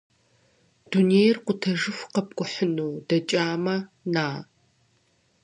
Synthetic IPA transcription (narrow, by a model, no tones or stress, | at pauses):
d̥uneːjrqʷʊtʰɐʒɨfqɐp̚ɡʷʼʊħənuːdɐt͡ʃʼaːmɐ | naː